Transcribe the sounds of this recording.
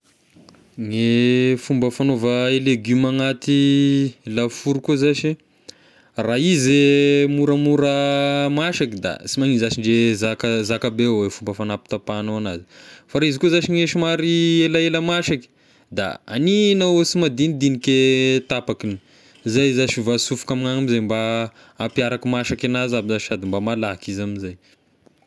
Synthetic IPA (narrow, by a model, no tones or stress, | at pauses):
ŋefumbəfanovəeleɡymaŋat̪i | lafuɾukuzaʃi | raizemuɾəmuɾəmaʃakid̪a̰simaninzaʃiɳɖ͡ʐezakəzakabewefumbəfanapi̥t̪apanoana̰zi̥faɾaizikuzaʃiŋeʃimaɾielaeləmaʃaki̥ | d̪a̰a̰ninawsimad̪inid̪inikʲet̪apakini̥ | zajzaʃivasufu̥kamiŋaŋamizajmbaː | mpijaɾakimaʃakanazabizai̥sad̪imbamalakizaminzaj